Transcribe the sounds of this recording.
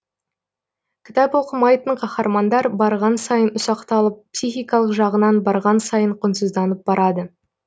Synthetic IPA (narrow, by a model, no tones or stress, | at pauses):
kʲʰɪ̥t̪ɑpwo̞qəmɑjt̪əɴqʰɑχɑɾmɑnd̪ɑɾbɑɾʁɑnsɑjənʊsɑqt̪ɑlˠəp̚psijxijkɑlˠəqʒɑʁənɑnbɑɾʁɑnsɑjəɴqʰʊnsəzd̪ɑnəp̚bɑɾɑd̪ə